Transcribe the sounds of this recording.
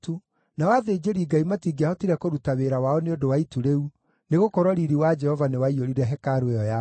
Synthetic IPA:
tu | nawaðed͡ʒeɾiɡaimatiɡiahɔtiɾɛkoɾutaweɾawaɔneodowaituɾeu | neɣokɔɾwɔɾiɾiwad͡ʒɛhɔvanewaioɾiɾɛɦɛkaɾoeɔja

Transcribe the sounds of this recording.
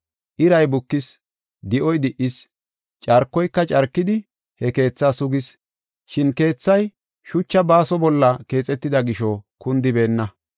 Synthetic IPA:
ʔɪɾɐjbʊkːɪs | d̪ɪʔɔjd̪ɪʔɪs | t͡ʃʼɐɾkːɔjkːɐt͡ʃʼɐɾkːɪd̪ɪ | hɛke̞ːt͡sːaːsʊɡɪs | ʃɪnke̞ːt͡sːɐj | ʃʊt͡ʃːɐbaːsɔbɔlːɐke̞ːt͡sʼɛt̪ːɪd̪ɐɡɪʃɔkʊnd̪ɪbe̞ːnːɐ

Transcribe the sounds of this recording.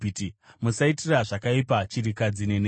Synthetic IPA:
itimusaitiraʐakaipat͡ʃiɾikad͡zine̞n

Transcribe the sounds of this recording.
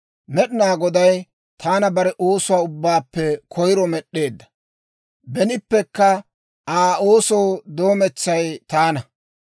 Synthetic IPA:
mɛɗɪnaːɡɔd̪ɐj | t̪ʰaːnɐbɐɾɛʔoːsʊwaːʊbːaːpːɛkʰɔjɾɔmɛɗːe̞ːd̪ːɐ̥ | bɛnɪpːɛkːɐ | aːo̞ːsowd̪o̞ːmɛt͡sːɐjt̪aːnɐ

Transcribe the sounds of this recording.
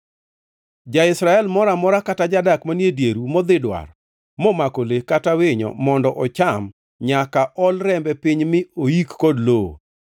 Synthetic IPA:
d͡ʒaɪsɾaɛlmɔɾamɔɾakatad͡ʒadakmanjedjeɾumɔd̪ɪdwa̰r | mɔmakolekatawɪɲɔ̰mɔndɔʔɔt͡ʃam | ɲakaʔɔlɾɛmbɛpiɲmɪoikːɔdlo̰

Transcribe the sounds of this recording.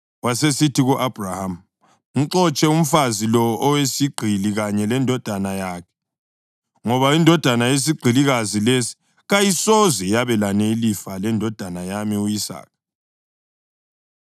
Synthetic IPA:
wasesitiɣuʔab̥ʱraham̩ | ŋ̩ǀɔt͡ʃʼɛum̩fazilɔɔwesiɡ͡ǀʱiliɣaɲɛlɛndʱɔd̥ʱanajakʰɛ̥ | ŋɔβaindʱɔd̥ʱanajes̬iɡ͡ǀʱiliɣazilesi̥ | ɣajisɔzɛjaβɛlaneilifalɛndʱɔd̥ʱanajamiuisa̰ːk̚

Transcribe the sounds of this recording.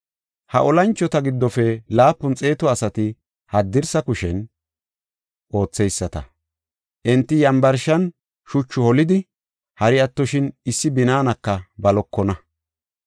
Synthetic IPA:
hɐʔɔlɐnt͡ʃːɔt̪ɐɡɪd̪ːɔfɛlaːpːʊnt͡sʼe̞ːt̪ɔɐsɐt̪ɪ | hɐd̪ːɪɾsɐkʊʃɛn | ʔo̞ːt͡sːɛjsːɐt̪ɐ̰ | ʔɪnt̪ːɪjɐmbɐɾʃɐn | ʃʊt͡ʃːʊhɔlɪd̪ɪ | hɐɾɪɐt̪ːɔʃɪnɪsːɪbɪnaːnɐkːɐbɐlɔkːɔnɐ

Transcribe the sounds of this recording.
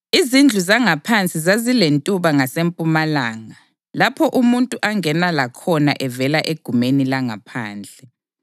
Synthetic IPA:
izind͡ɮʱuzaŋapʰant͡sʼizazilentʼuβaŋasempʼumalaːŋa | lapʰɔʔumuntʼuʔaŋɛnalakʰɔna̰ʔɛvɛlaʔeɡ̥ʱumenilaŋapʰaːnd͡ɮʱɛ

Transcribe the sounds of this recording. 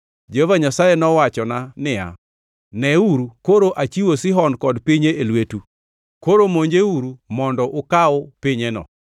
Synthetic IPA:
d͡ʒehovaɲasajenɔwat͡ʃɔnanɪja̰ | nɛuɾukoɾoʔat͡ʃiwosɪɦɔnkɔdpiɲeelwetu | koɾomoɲd͡ʒeuɾumɔndɔʔʊkaɔpiɲenɔ̰

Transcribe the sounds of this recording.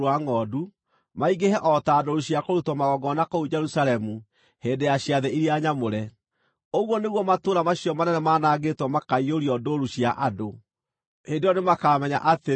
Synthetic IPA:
aŋɔdu | maiɡeɦɛʔɔtaːdoɾuɕiakoɾutwɔmaɣɔɡɔnakoud͡ʒɛɾusalɛmu | heːndejaɕijaðɛiɾiaɲamoɾɛ | oɣwɔneɣwɔmatoːɾamaɕijɔmanɛnɛmanaːɡetwɔmakaioɾiɔdoɾuɕia̰ʔado | hendeɾɔnemakamɛɲa̰ʔate

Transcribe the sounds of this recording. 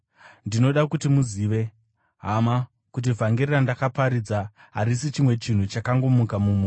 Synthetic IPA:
ndino̞ɗakutimuziʋe̞ | ɦama | kut̬ivʱaŋɡererandakapaɾid͡za | ɦa̰ɾis̬it͡ʃimwe̞t͡ʃin̤ut͡ʃakaŋɡo̞mukamumu

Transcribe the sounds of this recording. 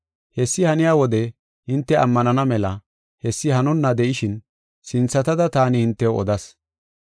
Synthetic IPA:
hɛsːɪhɐnɪjaːwɔd̪ɛ | hɪnt̪ːɛʔɐmːɐnɐnɐmɛlɐ | hɛsːɪhɐnʊnːɐd̪ɛʔɪʃɪn | sɪnt͡sːɐt̪ɐd̪ɐt̪aːnɪhɪnt̪ːɛɔ̰d̪ɐs

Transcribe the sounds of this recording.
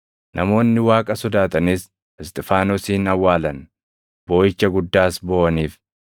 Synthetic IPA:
nʔɐmo̞ːnːɪwaːkʼɐsɔd̪aːt̪ʼɐnis | ɛst̪ʼɛfaːnɔsiːnɐwːaːlɐn | bo̞ːjɪt͡ʃːɐɡʊd̪ːaːsbo̞ːʔɐniːf

